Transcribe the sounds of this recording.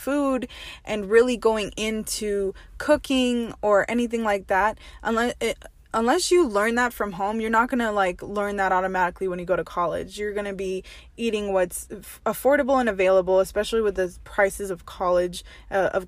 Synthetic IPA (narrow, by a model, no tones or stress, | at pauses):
fudʔɨ̃nɹɪlˠiɡoʊɪ̃ŋʔɪ̃ntʰʉkʰʊkɪ̃ŋə˞ʔɛniθɪ̃ŋlaɪk̚ðæt̚ʔə̃nlɛ | ə̃nlɛsjɨlɜ̃˞nðətfɹʌ̃mɦõʊ̃mjə˞nət̚ɡ̥ʌnəlaɪklɜ̃˞nðəɾɑɾəmæɾɨkliwə̃njɨɡoʊɾɨkʰɑlˠɪ̰d͡ʒjə˞ɡʌñɨbi | iɾɪ̃ŋwʌts | əfɔɹɾɨbl̩ˠə̃nɨveɪlˠəbl̩ˠəspɛʃl̩ˠiwɨðɨpʰɹ̥aɪsɨzʌv̥kʰɑlˠɪd͡ʒ | ʔʌʔʌ̰v̥